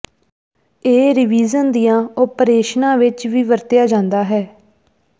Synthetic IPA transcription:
eːɾɪʋiːzənd̪ijãːopɾeːʃnãːʋɪt͡ʃʋiːʋəɾt̪jaːd͡ʒãːnd̪aːɦɛː

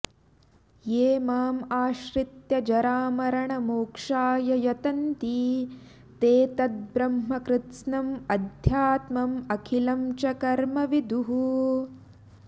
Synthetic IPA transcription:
jeːmaːmaːʃɾit̪jɐd͡ʒɐɾaːmɐɾɐɳɐmuːkʂaːjɐjɐt̪ɐnt̪iː | t̪eːt̪ɐt̪̚bɾɐmɦɐkɾɪt̪snɐmɐd̪ʱjaːt̪mɐmɐkʰilɐmt͡ʃɐkɐɾmɐʋid̪ʱuɦu

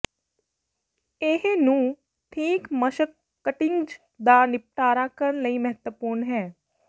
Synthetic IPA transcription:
ɪɦnũː | ʈʰiːkməʃəkː | əʈɪŋɡd͡ʒ | d̪aːnɪp̚ʈaːɾaːkəɾənləiːməɦət̪wəpuːɾnɦɛː

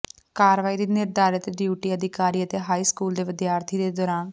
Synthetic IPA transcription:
kaːɾʋaːiːd̪iːnɪɾd̪aːɾət̪eɖjuːʈiːəd̪ʱɪkaːɾiːət̪eːɦaːiːskuːld̪eːʋɪd̪jaːɾt̪ʰiːd̪eːd̪ɔːɾaːn

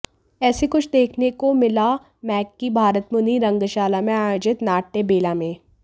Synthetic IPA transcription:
ɛːsekʊt͡ʃʰd̪eːkʰnekomɪla | mɛːkːibʱaːɾət̪mʊniɾɐ̃ŋɡʃaːlamẽaːd͡ʒɪt̪naːʈːebeːlamẽː

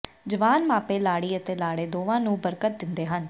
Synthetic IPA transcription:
d͡ʒəʋaːnmaːpeːlaːɽiːət̪eːlaːɽeːd̪oːʋãːnũːbəɾkət̪̚d̪ɪnd̪eːɦən

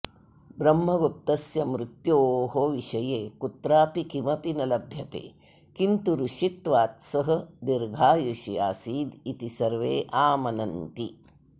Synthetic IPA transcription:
bɾɐmːɐɡup̚t̪ɐsjɐmɾut̪joːɦoʋiʃɐjeːkut̪ɾaːpikimɐpinɐlɐbʱjɐt̪ḛː | kint̪uɾuʃit̪ʋaːt̪sɐɦɐ̆d̪iɾɡʱaːjuʃiaːsiːd̪it̪isɐɾʋeːʔaːmɐnɐnt̪i

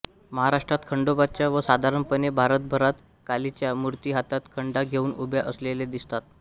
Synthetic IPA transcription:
məɦaɾaʂʈɾat̪kʰəɳɖobat͡ɕjaʋəsad̪ʱaɾəɳpənebʱaɾət̪̚bʱəɾat̪ | kalit͡ɕjamuɾt̪iɦat̪at̪kʰəɳɖaɡʱeuːnubjaʔəsleled̪ist̪at̪̚

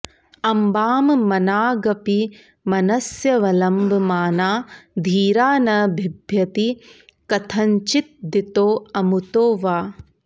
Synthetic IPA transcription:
ɐmbaːmmɐnaːɡɐpi | mɐnɐsjɐʋɐlɐmbʱɐmaːnaːd̪ʱiːɾaːnɐbʱibʱjɐt̪ikɐt̪ʰɐɲt͡ʃit̪̚d̪it̪oːɐmut̪oːʋaː

